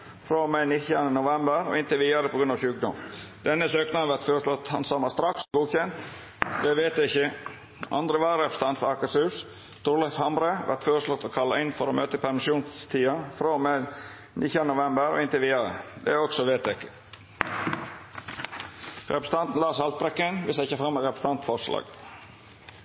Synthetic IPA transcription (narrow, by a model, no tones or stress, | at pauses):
fɾoːmenɪt̪ɪɑnənʊʋɛmbəɾɔ̰ɪnt̪əʋiːɑɾəpʰɔɡɾʉnɑːʋʃʉːk̚d̪ɔmd̪ɛnːəsøːknɑʋæɾt̪føːɾəsʂlɔt̪ːhɑ̰nsɔmɑst̪ɾɑksɔɡuːçɛnt̪ | d̪ɛʋeːt̪ɛɪçə | ʔɑ̰nd̪ɾəʋɑɾɛpɾə̥st̪ʰɑnt̪fɔɾɑkɑsʉːs | t̪uɾlɑfhɑmɾəʋʔæ̰ɾt̪føːɾəʂlɔt̪ːokʰɑlːɑɪnfɔɾoːmøːt̪əpʰæɾmɪʃjuːnst̪ʰiːɑfɾoːme | nʔɪçɑnʊʋɛmbəɾo̰ːɪnt̪ɪʋiːɑɾə̰d̪ɛ̰ɔksɔʋeːt̪ɛkːə̥ | ɾɛ̰pɾəst̪ɑnt̪n̩lɑːsɑlt̪̚bɾɛkːənʋɪsæɪçəfɾɑmːəɾɛpɾəst̪ɑnt̪fɔɾʂlɑ̰ːɡ